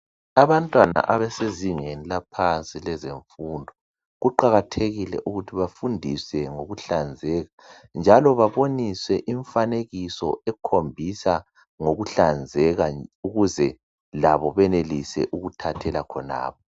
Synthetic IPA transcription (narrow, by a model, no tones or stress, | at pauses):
aβantʼwana̰ʔaβɛseziŋenilapʰant͡sʼilɛzeɱfundʱɔ | ɣuǃaɣatʰeɣilɛ̰ʔuɣutʰiβafundʱisɛŋoɣuɬand͡zʱɛːɣa | nd͡ʒʱalɔβaβoniswɛʔiɱfaneɣisɔ̰ɛkʰombʱisa | ŋoɣuɬand͡zʱɛɣauɣuzɛ | laβɔβɛnelisɛ̰ʔuɣutʰatʰɛlakʰɔna̰ːβɔ